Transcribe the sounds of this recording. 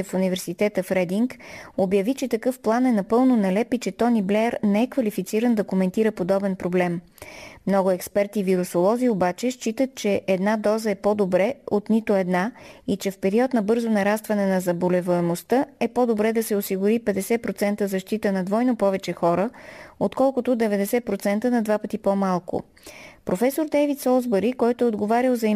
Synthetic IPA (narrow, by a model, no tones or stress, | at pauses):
funivɛɾsit̪ɛt̪əfɾɛd̪iŋkobjɐvit͡ʃɛt̪ɐkɤfplˠanɛnɐpɤlˠnonɐlɛpit͡ʃɛt̪ɔniblɛɾnɛɛkvɐlifit̪siɾənd̪ɐkomɛnt̪iɾəpod̪ɔbɛnpɾoblɛm | mnɔɡʊɛkspɛɾt̪iviɾusolˠɔziobat͡ʃɛʃt͡ʃit̪ət̪̚t͡ʃɛʔɛd̪nad̪ɔzəɛpod̪obɾɛot̪nit̪oɛd̪nait͡ʃɛfpɛɾiɔt̪nɐbɤɾzʊnɐɾast̪vɐnɛnɐzɐbolɛvoɛmost̪əɛpod̪obɾɛd̪ɐsɛosiɡʊɾipɛd̪ɛsɛpɾot̪sɛnt̪əzɐʃt̪it̪ənɐd̪vɔjnopɔvɛt͡ʃɛxɔɾəot̪kɔlˠkʊt̪ʊd̪ɛvɛd̪ɛsɛpɾot̪sɛnt̪ənɐd̪vapət̪ipomalˠkʊ̰ | pɾofɛsoɾd̪ɛvit̪sɔlˠzbəɾikɔjt̪ʊɛod̪ɡovaɾʲilˠzɐi